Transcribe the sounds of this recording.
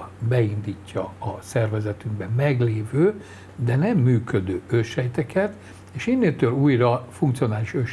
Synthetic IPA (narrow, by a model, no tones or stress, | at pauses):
bɛind̪iːcːɒ̰ɒsɛrvɛzɛt̪yŋɡbɛmɛɡleːvøː | d̪ɛnɛmːyːkød̪øːøʃhɛjt̪ɛkʰɛt̪ | eːʃinːeːlt̪øluːjrɒfuŋkt̪sio̞naːliʃøʃ